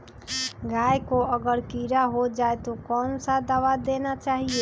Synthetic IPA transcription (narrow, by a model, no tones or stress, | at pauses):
ɡajkoəɡəɾkiɾaɦod͡ʒaet̪okɔnsad̪aʋad̪enat͡ʃaɦie